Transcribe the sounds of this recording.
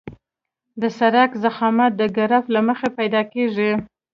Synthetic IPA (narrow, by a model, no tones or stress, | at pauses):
d̪əsaɾakzaxɑmat̪̚d̪əɡaɾaflaməxepajd̪ɑkeʐi